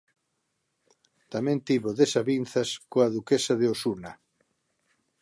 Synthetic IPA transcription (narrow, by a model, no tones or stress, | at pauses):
t̪amẽnt̪iβoðesaβinθɐskoaðukesaðeosuna